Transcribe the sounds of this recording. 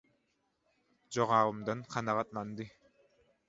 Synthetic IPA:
d͡ʒoʁɑːvɯmd̪ɑnqʰɑnɑʁɑt̪̚lˠɑnd̪ɯ

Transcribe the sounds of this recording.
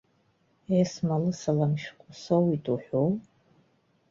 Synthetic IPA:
esmalɨsalamʃqʷʼʊsowitʼuħʷow

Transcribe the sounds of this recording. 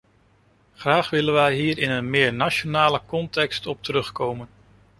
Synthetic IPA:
χraːχʋɪlənʋɛjɦiːɹɪnənmɪːɹnaʃonaːləkɔntɛkstɔp̚təɾɵχkowmən

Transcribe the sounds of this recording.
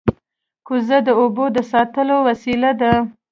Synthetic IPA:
kuzad̪əobod̪əsɑt̪əlowasilad̪a

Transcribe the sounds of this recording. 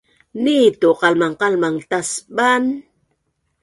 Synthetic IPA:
nit̪oqɑlmaɴqɑlmaŋt̪asban

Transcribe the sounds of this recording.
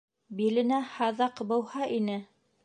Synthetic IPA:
bilɘ̆næhɑðɑqbɤ̆whɑʔinɘ

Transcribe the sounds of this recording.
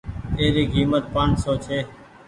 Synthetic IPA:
eːɾiːkiːmət̪̚pansoːt͡ʃʰeː

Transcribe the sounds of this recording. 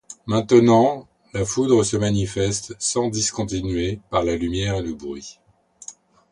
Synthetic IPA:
mɛ̃t̪ənɑ̃ | lafud̪ʁəsəmanifɛst̪sɑ̃d̪iskɔ̃t̪inɥepaʁlalymjɛʁeləbʁɥi

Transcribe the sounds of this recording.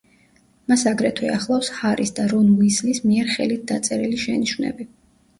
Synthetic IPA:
masaɡɾɛt̪ʰwɛ̰aχlˠafshaɾisd̪aɾɔnuislismiɛɾχɛlit̪̚ʰd̪at̪sʼɛɾiliʃɛniʃwnɛ̰bi

